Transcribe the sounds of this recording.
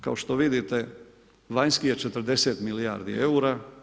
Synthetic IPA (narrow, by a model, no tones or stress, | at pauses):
kaoʃt̪o̞ʋid̪it̪e | ʋaɲskijet͡ʃet̪ɾ̩d̪e̞set̪milija̰ːɾd̪ḭeuɾa